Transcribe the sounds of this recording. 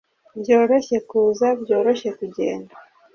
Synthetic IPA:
bjo̞ːɾo̞çe̞kuːzabɟo̞ːɾo̞çe̞kuɟe̞̰ːnda

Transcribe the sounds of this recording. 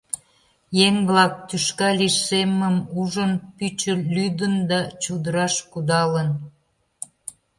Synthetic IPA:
jeŋβlɑk̚t̪yʃkɑliʃseməmuʒənpyt͡ɕəlyd̪ənd̪ɑt͡ɕud̪əɾɑʃkud̪ɑlən

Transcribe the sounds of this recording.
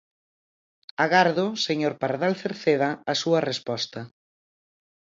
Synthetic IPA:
aɣaɾðʊseɲoɾpaɾðalθeɾθeðɐːsuɐrespɔst̪ɐ

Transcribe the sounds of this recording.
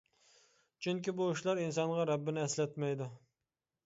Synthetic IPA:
t͡ʃʰyŋkʲibuuʃlˠɑɾinsɑnʁɑɾɛbːɪnɪɛslɛt̪mɛjd̪u

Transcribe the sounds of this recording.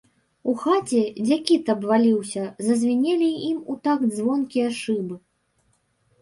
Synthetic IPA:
uxat͡sʲɛd͡zʲakʲit̪ɐbvalʲiwsʲɐzɐzʲvʲinʲelʲiimut̪ak̪zvɔnkʲijɐʂɨbɨ

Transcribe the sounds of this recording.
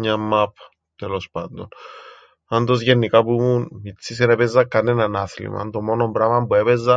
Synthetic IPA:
ɲamːap | t̪elospand̪on | and̪oz̬jenːikapumunmit͡sːis̬eneβezːakːanːenanaθlḭma̰nd̪omonombɾamambweβeza

